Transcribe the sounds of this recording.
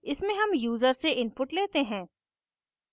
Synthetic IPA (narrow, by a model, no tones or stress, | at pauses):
ɪsmẽɦɐmjuːzəɾseʔɪnpʊʈleːt̪eɦɛ̃ː